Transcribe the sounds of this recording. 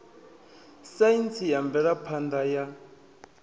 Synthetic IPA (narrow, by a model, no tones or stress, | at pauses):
saint͡sʰijambɛɺapʰand̪aja